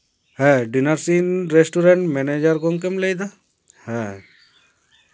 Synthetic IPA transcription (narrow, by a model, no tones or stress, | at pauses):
hɛ̃ɖinaɾsinɾesʈuɾeɳʈmɛned͡ʒəɾɡɔŋkəmlejd̪a | hɛ̃